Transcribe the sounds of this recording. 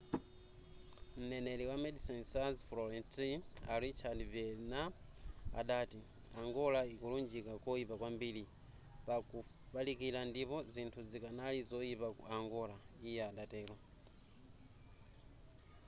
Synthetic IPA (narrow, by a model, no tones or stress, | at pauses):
m̩nɛnɛliwamɛdisinsazflɔɾɛntiaɾit͡ʃʰadvɛlna̰ː | ɗaːti | aŋɡɔlaikɔlund͡ʒikakɔipakwambili | paku | palikilandipɔzintʰuzikanalizɔipauaŋɡɔlaijɛaɗatɛːlɔ